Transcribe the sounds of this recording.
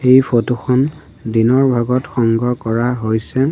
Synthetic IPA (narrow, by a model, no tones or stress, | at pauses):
ejpʰotuxʰɔn | dinɔɹbʱaɡɔtxɔŋɡɔkɔɹaɦojsɛ